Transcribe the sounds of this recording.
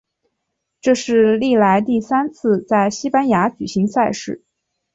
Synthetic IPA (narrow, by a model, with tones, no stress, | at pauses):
ʈ͡ʂɤ˥˧ʂɻ̩˥˧li˥˩la˧˥ɪt̪i˥˩sa˥nt͡sʰɹ̩˥˧t͡sa˥˩ɪɕi˥pa˥nja˧˥t͡ɕy˨˩ɕi˧˥ŋsa˥˧ɪʂɻ̩˥˩